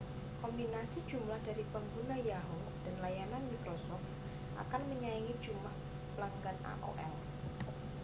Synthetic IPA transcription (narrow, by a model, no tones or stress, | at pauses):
kombinasid̥d͡ʒumlahdaɾipəŋɡunajaɦo | d̥anlajananmikɾosɔft̪̚ | ʔa̰kanməɲaiŋi̥d͡ʒumlah | pəlaŋɡana̰ʔo̰ʔɛ̰l